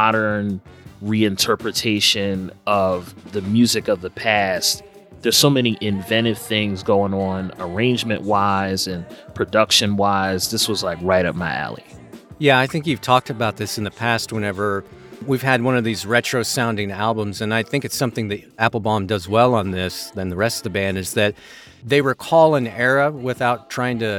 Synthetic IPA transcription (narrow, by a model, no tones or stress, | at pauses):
mɑɾə̃˞nɹiɨ̃ntʰɜ˞pɹɨtʰeɪʃɨ̃nʌvðɨmjʉzɨkʌvðəpʰæst | ðə˞z̥soʊmɛniʔɪ̃ɱvɛ̃ɾ̃ɨv̥θɪ̃ŋzɡoʊɪ̃ŋə̃nə˞ẽɪ̃nd͡ʒmɨ̰̃nʔwaɪzɨ̃npʰɹ̥ɨdʌkʃɨ̃nwaɪzðɪswʌzlaɪkɹaɪɾʌp̚maɪæ̰lˠḭjæaɪθɪ̃ŋkjʉv̥tʰɔk̚tɨbaʊt̪̚ðɪsn̩ðɨpʰæst̚wə̃ñɛvə˞wiv̥ɨd̚wʌ̃nʌvðizɹɛt͡ʃɹ̥oʊsãʊ̃ndɪ̃ŋælˠbə̃mzɨ̃naɪθɪ̃ŋkɨtsʌ̃mθɪ̃ŋðɨ | æpl̩ˠbɑ̃mdʌzwɛlˠə̃nðɪsðɨ̃nðəɹɛstʌvðɨbæ̃ndɨzðɨt̪̚ | ðeɪwə˞kʰɔlˠɪ̃ŋɛɹəwɪθaʊtʰɹ̥aɪɪ̃ŋtɨ